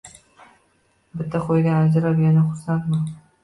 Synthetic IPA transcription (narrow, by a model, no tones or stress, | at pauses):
bɪt̪ʰːaqʰojɡʲaad͡ʒɾapjanaχʊɾsant̪ma